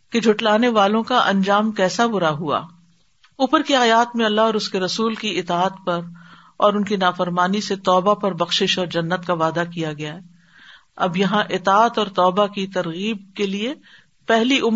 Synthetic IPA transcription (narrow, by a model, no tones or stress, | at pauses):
ked͡ʒʱʊʈlaːneʋaːlõkaʔɐ̃ɲd͡ʒaːmkɛːsabʊɾaɦua̰ː | uːpəɾkiaːjaːt̪mẽɐlːaɦɔːɾʊskeɾɐsuːlkiɪt̪aːət̪pɐɾ | ɔːɾʊnkinaːfɐɾmaːniset̪ɔːbapɐɾbɐxʃɪʃɔːɾd͡ʒɐnːət̪kaʋaːd̪akijaɡɐjaɦɛː | ɐbjɐɦãʔɪt̪aːət̪ɔːɾt̪ɔːbakit̪ɐɾɣiːb̚kelie | pɛɦliʔʊm